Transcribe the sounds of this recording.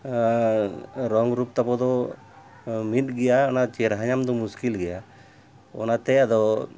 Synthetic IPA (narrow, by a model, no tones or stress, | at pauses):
ɾɔŋɾup̚t̪apɔd̪ɔ | mit̪̚ɡɛjaɔnat͡ʃɛɾɦaɲamd̪ɔmuskilɡɛja | ɔ̰nat̪ɛad̪ɔ